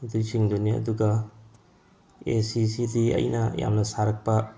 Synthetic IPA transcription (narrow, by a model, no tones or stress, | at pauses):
dujsiŋduniɐ̰duɡɐ | esisidiɐ̰jnɐja̰mnɐsaɾɐk̚pɐ